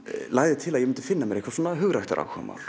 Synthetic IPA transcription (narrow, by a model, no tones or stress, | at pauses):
laːɣðɪt̪ʰɪlaðjɛmɪnt̪ʏ̥fɪnːamɛɾehkvasuːnaɦʏɣɾajht̪a̰ɾʔa̰ːwkʰɔ̰ma̰wl̥